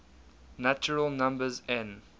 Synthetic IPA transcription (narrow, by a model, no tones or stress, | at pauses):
nat͡ʃəɹəlˠnãmbəzɛ̃n